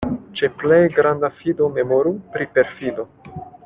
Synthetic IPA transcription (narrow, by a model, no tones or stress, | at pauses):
t͡ʃe̞ple̞jɡɾandafido̞me̞moɾupɾipe̞ɾfido̞